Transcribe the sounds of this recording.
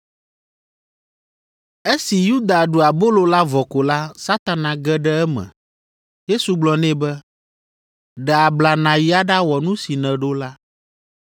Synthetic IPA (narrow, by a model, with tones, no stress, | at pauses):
e˦si˨ju˦d̪a˨ɖo˨a˨bo˦lo˨la˦vɔ˨ko˨la˦sa˦t̪a˨nã˨ɡɛ˦ɖɛ˦ɛ˦mɛ̰̃˨ | je˦su˨ɡ͡blɔ˨nɛ̃˦bɛ˦ | ɖɛ˨a˨bla˨nã˨ji˦a˦ɖa˦wɔ˨nũ˦si˨nɛ̃˨ɖo˦la˦